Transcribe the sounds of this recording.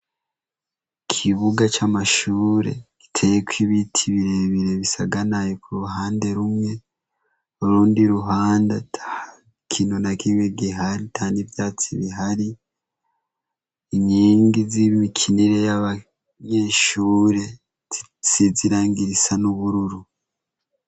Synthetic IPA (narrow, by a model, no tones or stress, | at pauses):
kʰiβuɡat͡ʃamaʃuːɾe̞̰ki̥tʰejekwiβitʰiβiɾe̞βiɾe̞βisaɡanajekuɾuɦaːnde̞ɾumŋe̞ | oɾuːndiɾuɦaːndat | kʰiːnunakiːŋeɡiɦaɾitʰaːnivjaːt͡siβiɦaɾi | iɲiːŋɡiziβimikʰiniɾe̞jaβa | ɲe̞ʃuːɾe̞̥ | t͡siziɾaːɲɡiɾisanuβuɾuɾu